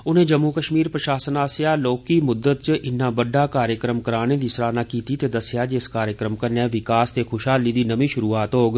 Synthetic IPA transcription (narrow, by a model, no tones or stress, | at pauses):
ʊn̤ẽːd͡ʒəmːukəʃmiːɾpɾəʃaːsənaːsjaːloːkːimʊd̪ːət̪̚t͡ʃʔɪnːãːbəɖaːkaːɾjəkɾəmkəɾaːnẽʋɪsɾaːnaːkiːt̪it̪ed̪əsjaːd͡ʒɪskaːɾjəkɾəmkəɾnɛ̃ːʋɪkaːst̪eːxʰʊʃɦaːliːd̪iːnəmĩʃʊɾuːaːt̪ɦoːɡ